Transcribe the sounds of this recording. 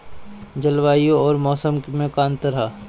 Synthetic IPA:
d͡ʒɐlʋaːijõɔːɾmɔːsəmmẽkãːnt̪əɾɦa

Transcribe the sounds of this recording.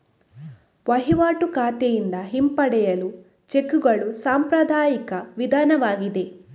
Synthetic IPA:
ʋɐɦiʋaːʈukaːt̪ɐjind̪ɐɦimpɐɽɛjɐlu | t͡ʃekːuɡɐɭusaːmpɾɐd̪ʱaːjikɐʋid̪ʱaːnɐʋaːɡid̪e̞

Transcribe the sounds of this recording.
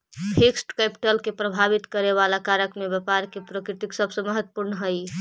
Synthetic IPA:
hʰeksʈkɛpi̥ʈəlkepɾəbʱaβit̪kəɾeβalakaɾəkmebəpaɾkepɾəkɾit̪iksəbʱsə̃məɦət̪wəpuɾnəɦəj

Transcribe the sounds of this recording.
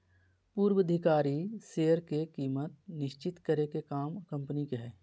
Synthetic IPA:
puːɾwəd̪ʱɪkaːɾiseːəɾkekiːmət̪̚nɪʃt͡ʃɪt̪kəɾekekaːmkə̃mpənikeɦɛː

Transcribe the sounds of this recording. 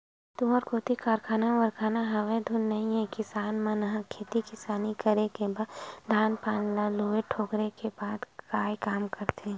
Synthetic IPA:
t̪ʊɦəɾkoːt̪ikaːɾkʰaːnaʋəɾkʰaːnaɦɐʋed̪ʱʊnːɐɦĩɛkɪsaːnmãnɐɦãkʰeːt̪ikɪsaːnikəɾekebaːd̪d̪ʱaːnpaːnlaloːeʈʰoːkɾekebaːd̪kaːjkaːmkəɾt̪ʰe

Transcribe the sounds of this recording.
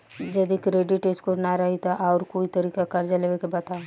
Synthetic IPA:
d͡ʒɐd̪ikɾeːɖɪʈɪskonaɾɐɦit̪aʔɔːɾkoːit̪ɐɾiːkakɐɾd͡ʒɐleʋekebɐt̪a

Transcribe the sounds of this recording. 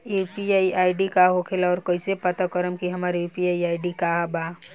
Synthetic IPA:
upiaiaiɖikaɦokʰelaɔːɾkoisepət̪akəɾəmkiɦəmaːɾupiaiaːɖikaɦba

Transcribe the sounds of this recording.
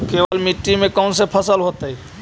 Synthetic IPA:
keʋəlmiʈːimẽkəʊnsepʰəsəlɦot̪ei

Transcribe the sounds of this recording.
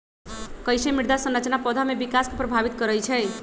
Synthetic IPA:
kəjsemiɽd̪asə̃nɾət͡ʃnapɔd̪ʱamebikaskepɾəbʱaʋit̪̚kəɾəjt͡ʃʰɛ

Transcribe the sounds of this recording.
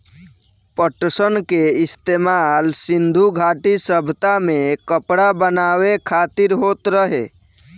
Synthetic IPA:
pəʈəsənkeɪst̪eːmalsɪ̃nd̪ʱuɡʱaːʈisəbʱt̪amẽkəpɽabənaːwekʰaːt̪ɪɾɦoːt̪ɾəɦe

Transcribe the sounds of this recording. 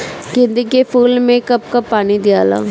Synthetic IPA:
ɡɪnd̪ikepʰuːlmẽkɐp̚kapaːnid̪ijaːla̰ː

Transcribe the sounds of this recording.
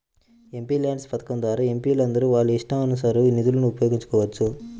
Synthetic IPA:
e̞mpiːlaːɳɖspɐt̪ɐ̥kɐmd̪ʋaːɾɐe̞mpiːlɐnd̪ɐɾuʋaːɭːuiʂʈɐmɐnːɐs̬aɾunid̪ulɐnuːpɐjoːɡiɲt͡ʃɐ̥kɔːʋɐt͡ʃːu

